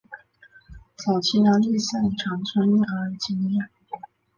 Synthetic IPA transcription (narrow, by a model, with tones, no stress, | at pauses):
t͡sɑ˨˩ʊt͡ɕʰi˧˥na˧˥nli˥˧ɕa˥˩nʈ͡ʂʰɑ˧˥ŋt͡sʰwa˥ni˥˩ə˧˥˧t͡ɕi˥ŋjɛ˥˩